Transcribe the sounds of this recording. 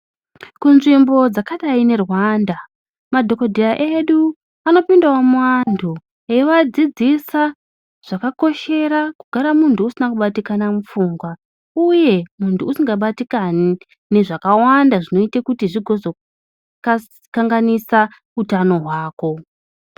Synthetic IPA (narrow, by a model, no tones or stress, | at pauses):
kunʐimbo̞d͡zakaɗaine̞rwanda | madʱo̞kodʱiraʔeɗu | ano̞pindawamuwantʰu | eiʋad͡zid͡zisa | ʐ̥akako̞ʃe̞ɾakuɡʱaɾamuntʰuːsinakuɓatikanamufuŋɡwa | uje̞muntuːsiŋɡaɓatikan | neʐakawandaʐino̞itekutiʐiɡʱo̞zo | ka | kaŋɡanisa | utano̞ɦwaːko̞